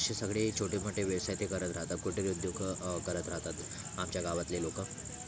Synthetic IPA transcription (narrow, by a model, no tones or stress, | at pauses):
ɕisəɡɭet͡ɕʰoʈeməʈːeʋjəʋsajt̪ekəɾət̪ɾaɦt̪at̪̚kuʈʰeud̪joɡkəɾət̪ɾaɦt̪at̪ | amt͡ɕjaɡaʋat̪lelokə